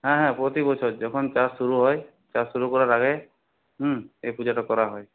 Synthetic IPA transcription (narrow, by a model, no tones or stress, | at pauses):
ɦãɦãpɹɔt̪ibɔt͡ʃʰɔtd͡ʒɔkʰɔnt͡ʃaɹsuɹuɦɔj | t͡ʃasuɹukɔɹaɹaɡɛ | ɦ̩ejpud͡ʒaʈɔkɔɹaɦɔj